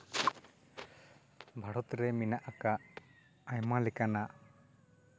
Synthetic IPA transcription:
bʱaɽɔt̪ɾɛminaʔakaʔ | ajmalɛkanaʔ

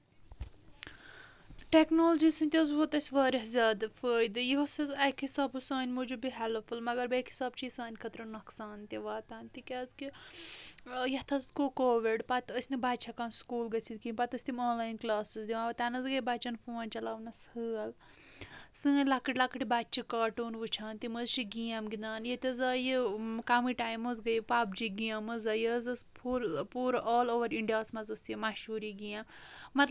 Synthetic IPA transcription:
ʈeknoːlɐd͡ʒisɨ̃nt̪ʲɐzʋot̪ɐsʲʋaːɾʲiɦzʲaːd̪ɨfəːjd̪ɨjiɦosɐzɐjkʰhisaːbusãːnʲmud͡ʒubiɦɛlfulmɐɡɐɾbɐːkʰhi̥saːb̚t͡ʃʰiisãːnʲkʰɐt̪ɾɐnɐksaːnt̪ʲiʋaːt̪aːnt̪ikʲaːzki | jɐt̪ʰɐzkokoːʋiɖpɐt̪əsʲnɨbaːt͡ʃʰakaːnskuːlɡɐt͡sʰid̪̚kĩmpɐt̪ɐsʲt̪imoːnlaːjnklaːsɨzd̪iʋãːʋɐt̪aːnɐzɡɐbaːt͡ʃɐnfoːnʲt͡ʃɐlaːʋnɐshɨːɐl | sɨ̃lakɨʈʲlakɨʈibaːtt͡ʃʰikɐːʈuːnʋut͡ʃʰaːnt̪imɐzt͡ʃʰiɡijãmɡinaːnjɐt̪ʲɐzɐːjɨkaːmiʈaːjmɐzɡɐjpaːp̚d͡ʒiɡijãmɐzɐjizɐspʰuɾpuːɾʔɔːloːʋɐɾiɳɖijaːsmɐzɐsjimaʃuːɾiɡijãmːɐt̪l

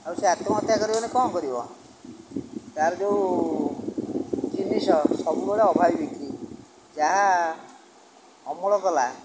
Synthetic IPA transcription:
auseat̪ɔmɔt̪jakɔɾibɔnekɔmkɔɾibɔ̰ | t̪aɾɔd͡ʒeu | d͡ʒinisɔsɔbuɡɔɽeɔbʱabibiki | d͡ʒaɦa | ɔmɔɭɔkɔla

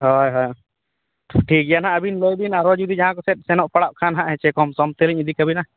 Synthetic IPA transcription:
ɦɔjɦɔj | ʈʰik̚janaəbinlojbinaɾɔd͡ʒud̪id͡ʒaɦãkɔsɛt̪̚ˀsɛnɔʔpaɽaʔ̚kʰanɦaʔɦɛt͡ʃɛkɔmsɔmt̪eliɲid̪ikabina

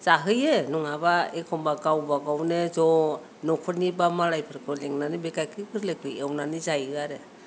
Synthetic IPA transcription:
zaɦɯjenuŋabaekʰɔmbaɡawbaɡawnezɔ | nɔkʰɔnibamaɾajpʰɯɾkɯleŋnanibekakʰikʰɯɾlek̚ɯjewnanizajɡaɾe

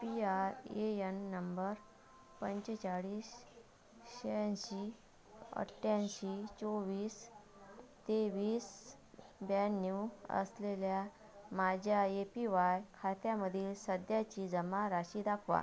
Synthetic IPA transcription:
piaɾeenːəmbəɾ | pəɲt͡ɕt͡ɕaɽiːs | ɕeɕi | ə̰ʈːjanɕit͡soʋiːs | t̪eʋiːs | bɛnjuə̰slelja | mad͡ʑʱjaepiʋajkʰat̪jaməd̪ʱiːlsəd̪jat͡ɕiːd͡zəmaɾaɕiːd̪akʰʋa̰

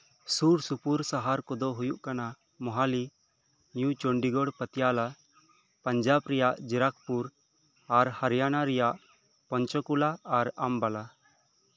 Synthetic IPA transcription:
suɾsupuɾsaɦaɾkɔd̪ɔɦujuʔkana | mɔɦali | njut͡ʃoɳɖiɡɔɽpət̪ijala | pəɲd͡ʒabɾɛjaʔd͡ʒiɾak̚puɾ | aɾhaɾjanaɾɛjaʔ | pɔɲt͡ʃɔkulaːɾambala

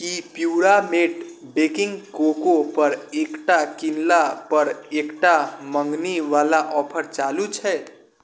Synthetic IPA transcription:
kipjuɾameʈbekɪŋɡkokopəɾekʈakinlapəɾekʈaməŋɡniʋalaʔɔpʰəɾt͡ʃalut͡ʃʰɛ

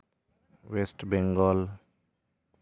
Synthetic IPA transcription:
wesʈbɛ̃ŋɡɔl

